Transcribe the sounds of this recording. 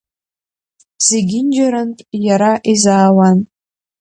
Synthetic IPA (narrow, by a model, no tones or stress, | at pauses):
z̥eɡʲɪnd͡ʒaɾantʼjaɾaʔizaːwan